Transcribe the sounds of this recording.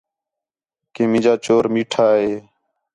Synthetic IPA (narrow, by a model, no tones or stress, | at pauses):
kẽːmɪ̃d͡ʒaːt͡ʃoːɾmiːʈʰaːɦeː